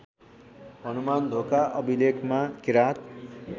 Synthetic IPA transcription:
ɦʌnumand̪ʱokaʔʌbʱilekmakiɾat̪̚

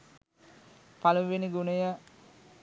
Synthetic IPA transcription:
paluʋeniɡunəjə

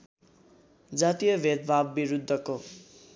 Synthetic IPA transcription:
d͡zat̪ijʌbʱed̪̚bʱabːiɾud̪ʱːʌko

